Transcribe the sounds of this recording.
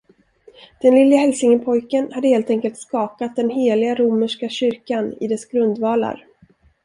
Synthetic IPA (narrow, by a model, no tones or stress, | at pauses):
d̪̥ɛnlɪlːɪahɛlsɪŋəpʰɔjkənhad̪ːəheːlt̪ɛŋkəlt̪skɑːkat̪̚d̪ɛnɦeːlɪɡaɾuməʂkaɕʏɾkanɪ̰d̪ɛsɡɾɵnd̪vɑːla̰ɾ